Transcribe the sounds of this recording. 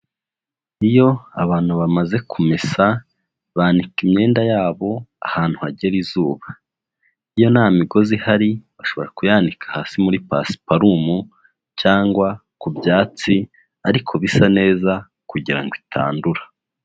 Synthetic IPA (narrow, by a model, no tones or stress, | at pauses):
ijo̞aβaːn̥huβamaze̞kʰumesa | βaːnikimɲe̞ːndajaːβo̞a̰haːn̥huaɟe̞ɾizuːβa | ijo̞naːmiɡo̞zihaɾiβaʃo̞βo̞ɾakujaːndikʰḁhaːsimuɾipa̰si̥paɾumu | t͡ʃaːŋɡwakubjaːt͡si | aɾikʰo̞βisane̞ːza | kuɟiɾa̰ŋɡwitʰa̰ːnduɾḁ